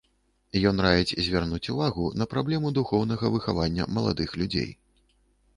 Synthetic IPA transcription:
jɔnɾavʲit͡sʲzʲvʲarnut͡sʲuvaɣunɐpɾablʲɛmud̪uxɔwn̪ɐɣɐvɨxavanʲːɐ̰mɐlˠa̰d̪ɨxlʲud͡zʲḛj

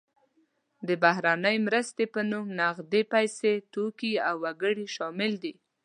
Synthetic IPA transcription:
d̪əbaɦɾanəjmɾəst̪epənumnaɣd̪epajset̪okiawːaɡəɽiʃɑmɪld̪i

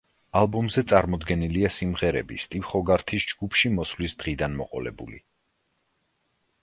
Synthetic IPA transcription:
alˠbɔmzɛt̪sʼaɾmɔd̪ɡɛniliasimʁɛɾɛ̰bist̪ʼifχɔɡaɾt̪ʰisd͡ʒɡupʰʃimɔslisd̪̥ʁid̪anmɔqʼɔlɛ̰bṵlḭ

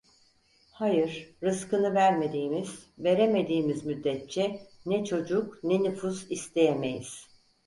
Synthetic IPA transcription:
hajɯɾɾɯskɯnɯvæɾme̞d̪iːmiz̥ve̞ɾe̞me̞d̪iːmizmyd̪ːɛt̪̚t͡ʃʰɛnɛt͡ʃʰo̞d͡ʒuknɛnɯfuzist̪ʰe̞jeme̞jḭz̥

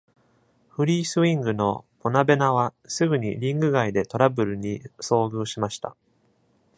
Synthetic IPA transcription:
ɸɯ̟ɾʲiːsɨĩŋɡɯ̟no̞po̞nabe̞naβ̞asɨɡɯ̟ɲ̟ḭɾʲĩŋɡɯ̟ɡaid̪e̞t̪o̞ɾabɯ̟ɾɯ̟ɲ̟iso̞ːɡɯ̟ːɕimaɕi̥t̪a̰

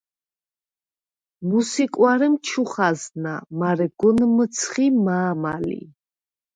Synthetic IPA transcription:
musikʼwaɾɛmt͡ʃʰuχazna̰maɾɛɡ̥ɔnmət̪sʰχimaːmalḭ

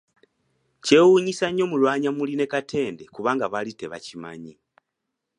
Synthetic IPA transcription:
ce̞wuɲisaɲːo̞ːmulwaːɲamuline̞katʰe̞ːnde̞kuβaːŋɡaβalite̞βa̰cima̰ɲi

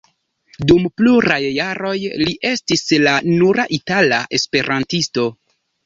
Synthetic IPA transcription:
dumpluɾajːaɾo̞jliʔe̞stislanuɾaʔitalaʔe̞spe̞ɾʔantisto̞

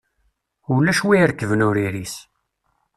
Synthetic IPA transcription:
ʊɾlːæʃwiɾəkːəvənʊɾiɾis

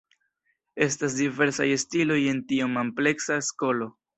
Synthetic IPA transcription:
e̞stas̬dive̞ɾsa̰jestilo̞je̞ntiumample̞ksasko̞lo̞

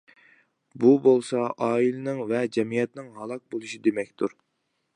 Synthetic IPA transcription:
bubolˠsɑʔɑːilɪnɪŋvɛd͡ʒɛmijɛt̪nɪŋɦɑlˠɑq̚bolˠuʃid̪emɛkʲt̪uɾ

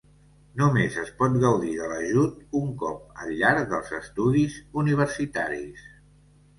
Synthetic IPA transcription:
numezəspɔt̪ɣəwðiðələʒut̪uŋkɔp̚əʎːaɾðəlˠzəst̪uðizuniβ̞əɾsit̪aɾis

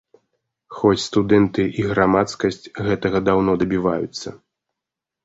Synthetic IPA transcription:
xɔt͡sʲst̪ud̪ɛnt̪ɨʔiɣɾamat̪skɐsʲt͡sʲɣɛt̪ɐɣɐd̪awnɔd̪ɐbʲivajut̪sːɐ

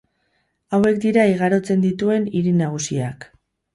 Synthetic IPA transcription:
awe̞kd̪iɾaiɣaɾo̞t͡se̞nd̪it̪ue̞niɾinaɣ̞usia̰k

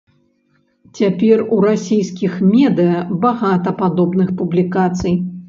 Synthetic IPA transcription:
t͡sʲapʲɛruɾasʲijskʲixmʲɛd̪ɨjɐbaɣat̪ɐpad̪ɔbnɨxpublʲikat̪sɨj

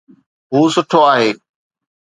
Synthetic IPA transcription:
ɦuːsʊʈʰoaːɦeː

